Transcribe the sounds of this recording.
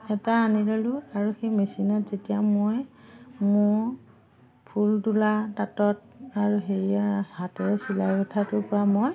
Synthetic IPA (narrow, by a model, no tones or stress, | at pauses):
ɛtaːnilalʊaɹuxejmesinɔtzetijamojmʊɹ | pʰultulatatɔt̚ | aɹuxeɹiahatɛsilajkɔtʰatʊpɔɹamoj